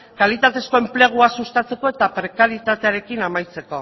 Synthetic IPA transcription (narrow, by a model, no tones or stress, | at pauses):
kalit̪at̪e̞sko̞e̞mple̞ɣ̞uasust̪at͡se̞ko̞e̞t̪apɾe̞kaɾit̪at̪e̞aɾe̞kinamajt͡se̞ko̞